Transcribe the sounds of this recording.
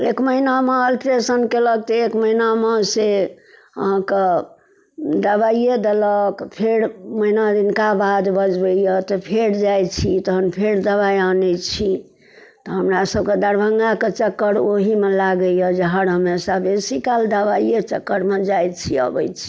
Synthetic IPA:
ekməɦinameəlʈɾesənkelək̚t̪eekməɦinamese | ə̰ɦãke | d̪əbaied̪eləkpʰeɾməɦinad̪inkabad̪bəd͡ʒbəijət̪ɔpʰeɾd͡ʒajt͡ʃʰit̪ɔɦənpʰeɾd̪əβaianɛt͡ʃʰi | t̪ɔɦəmɾasəb̚ked̪əɾbʱəŋɡaket͡ʃəkːəɾoɦimelaɡəjəd͡ʒeɦəɾɦəmesabesikald̪əbajet͡ʃəkːəɾmed͡ʒajt͡ʃʰiə̰bə̰jt͡ʃʰi̥

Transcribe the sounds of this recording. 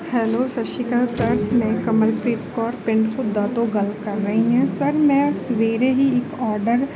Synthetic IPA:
hɛːloːsɐʃɪkəlsɐɾmɛ̃kɐməlpɾiːt̪kɔːɾpɪ̃ɳɖt̪ʰud̪ːaːt̪oɡɐlkɐɾːɐɦiɦɛ̃sɐɾmɛ̃sʋeːɾeɦiekɔːɾɖəɾ

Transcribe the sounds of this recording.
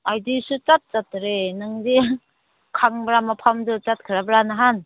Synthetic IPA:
ajdisut͡ʃat̪̚t͡ʃatɾenɯŋdi | kʰaŋbɾamapʰamdɯt͡ʃat̚kʰɯɾabɾanaɦan

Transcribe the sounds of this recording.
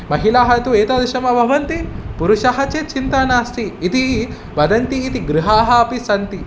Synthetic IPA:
mɐɦilaːɦɐt̪ueːt̪aːd̪ɐʃɐmɐbʱɐʋɐnt̪ipuɾuʃɐɦɐt͡ʃet͡ʃint̪ɐnaːst̪ʰiːt̪i | ʋɐd̪ɐnt̪iːt̪iɡɾuɦaːɦɐɐpisɐnt̪i

